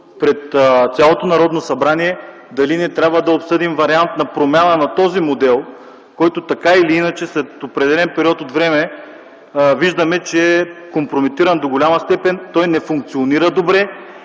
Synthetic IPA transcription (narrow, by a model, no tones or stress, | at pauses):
pɾɛt̪t̪sʲalˠot̪onɐɾɔd̪nosɐbɾaniɛ | d̪ɐlinɛt̪ɾʲabvəd̪ɐopsɤd̪imvɐɾiant̪nɐpɾomʲanənɐt̪ɔzimod̪ɛlˠ | kɔjt̪ot̪ɐkailiinɐt͡ʃɛslɛt̪opɾɛd̪ɛlɛnpɛɾiɔt̪ot̪vɾɛmɛ | viʒd̪əmɛt͡ʃɛɛkompɾomit̪iɾɐnd̪oɡolʲamɐst̪ɛpɛnt̪ɔjnɛfuŋk̚t̪sioniɾəd̪obɾɛ